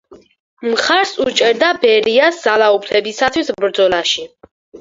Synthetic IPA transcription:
mχaɾsut͡ʃʼɛɾd̪abɛɾiasdz̥alaupʰlɛbisat̪ʰwisbɾd̪zɔlaʃi

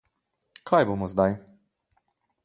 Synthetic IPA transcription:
kʰajbuwmɔzd̪aj

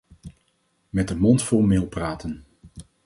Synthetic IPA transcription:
mɛt̚dəmɔntfʊlˠmɪːlˠpraːtən

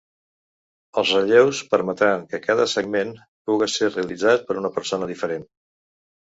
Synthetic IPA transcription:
əlˠzrəʎewspəɾmət̪ɾaŋkəkaðəsəɡmen | puɣəsereəlid͡zat̪̚pəɾunəpəɾsonəðifəɾen

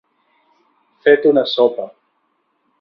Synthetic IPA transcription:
fet̪unasopa

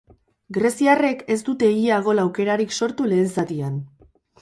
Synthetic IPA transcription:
ɡɾesiare̞ke̞sd̪ut̪e̞iaɣ̞o̞lawke̞ɾaɾikso̞ɾt̪ule̞ːnsat̪ian

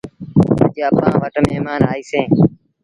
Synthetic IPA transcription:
ə̰d͡ʒeəpãːʋəʈmeːɦmaːnaːiːsẽː

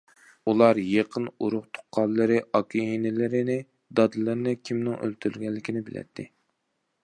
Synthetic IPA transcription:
ulˠɑɾjeqʰənuɾʊχt̪ʰo̥qʰːɑllˠːɨɾɨʔɑkʲʰienɪlɪɾɪnɪ | d̪ɑd̪ɨlɨɾnɪkʲʰimnɪŋʔø̰lt̪ʰyɾlɡʲɛlːɪkʲʰinɪbɪlɛ̰t̪ʰːɪ

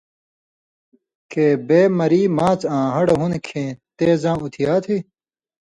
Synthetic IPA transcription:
keːbeːmɐɾiːmãːt͡sãːɦɐɽɦunkʰẽːt̪eːzãːut̪ʰijaːt̪ʰi

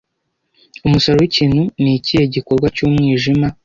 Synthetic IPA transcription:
umusaɾowiciːnhunicijeɟiko̞ɾɡwacuːmŋiːʒima

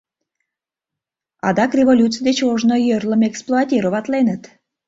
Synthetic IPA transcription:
ɑ̰d̪ɑkrʲevolʲutt͡sɨjd̪et͡ɕoʒnojørləmeksplˠoat̪ʲiɾoβɑt̪lenət̪

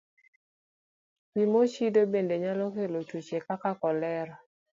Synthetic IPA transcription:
kimot͡ʃidobendeɲalɔkelot͡ʃut͡ʃekakakɔlɛɾa

